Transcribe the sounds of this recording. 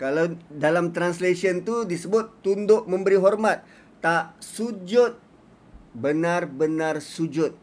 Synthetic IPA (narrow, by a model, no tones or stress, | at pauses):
kalawdalamt̪ɾanslesiənt̪udisəbʊt̪ːundʊʔmə̃mbəɾiɦɔrmat̪̚ː | aʔsud͡ʒʊt̪̚ | bənarbənãrsud͡ʒʊt̪̚